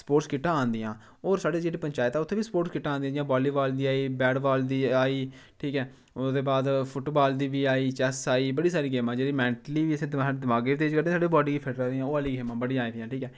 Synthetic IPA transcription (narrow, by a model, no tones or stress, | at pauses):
sə̥poːʈskɪʈːãːãːnd̪iːãː | oːɾsaːɖeːd͡ʒeːɽiːpəɲt͡ʃaːɪt̪ɛːʊt̪ʰːẽːʋiːspoːɾʈskɪʈːãːnd̪ĩjãːd͡ʒɪjãːbɔːliːbaːld̪iːaːiːbɛːɖbaːld̪iːaːiː | ʈʰiːkɛː | ʊsd̪eːbaːd̪pʰʊʈbaːld̪iːʋiːaːiːt͡ʃɛsaːiːbəɽiːsaːɾiːɡeːmãːd͡ʒeːɾiːmɛ̃ːɳʈliːʋiːəsĩːd̪aed̪ɪmaːɡeːʋid̪eːd͡ʒkəɾd̪ẽsaːɖeːbɔːɖiːɡiːpʰɪʈɾəd̪ijãːoːaliːɡeːmãːbəɽĩaːiːd̪ɪjãːʈʰiːkɛː